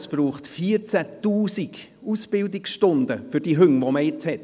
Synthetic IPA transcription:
sb̥ɾuːχtfiːəɾt͡sætuːsik | usb̥ɪldɪksʃtʊndəfʏɾd̥iɦʏŋvoməjɪt͡shɛt

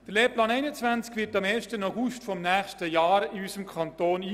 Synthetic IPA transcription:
d̥əleːplɑːnɛɪnət͡sʋænt͡skʋɪtɑmeːɾʃtənaʊɡustfɔmnæːχʃtəjɑːɾɪysəmkʰɑntoːniː

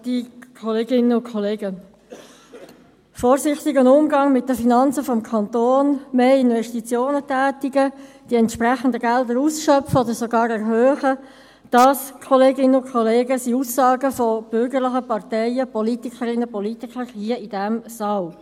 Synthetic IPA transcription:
d̥ikʰɔleːɡɪnːəʊnkʰχɔleːɡə | fɔːɾsɪχt̪iɡənʊmɡɑŋmɪt̚dəfinɑnt͡səfɔmkʰɑnt̪oːnmeːɪnvɛʃtit͡sjoːnətæːtiɡə | d̥iɛntʃprɛχəndəɡɛldəɾusʃœpfəɔd̥̪əɾsoɡɑːɾɛɾɦøːχə | d̥ɑskʰɔleːɡɪnəʊnkʰχɔleːɡəsiusːɑːɡəfɔb̥ʏɾɡəʁlɪχəpɑʁtɛɪəpɔlit̪ikʰəɾɪnːəpɔlitikχəɾhiəid̥æmsɑl

